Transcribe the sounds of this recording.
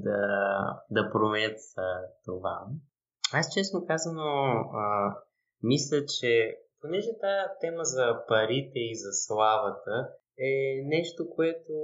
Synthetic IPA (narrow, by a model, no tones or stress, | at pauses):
d̪ɐ | d̪ɐpɾomɛnət̪ət̪ova̰ | ast͡ʃɛsnokazənoə | mislʲət͡ʃɛponɛʒɛt̪at̪ɛməzɐpɐɾit̪ɛizɐslˠavət̪ə | ɛnɛʃt̪okoɛt̪o